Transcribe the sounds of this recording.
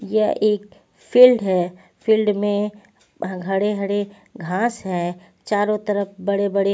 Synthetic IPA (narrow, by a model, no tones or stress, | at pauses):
jɐʔeːk̚ | pʰɪlɖɦɛ | pʰɪlɖmẽ | ɡʱɐɽeɡʱɐɽe | ɡʱãːsɦɛː | t͡ʃaːɾõt̪ɐɾəpbɐɽebɐɽe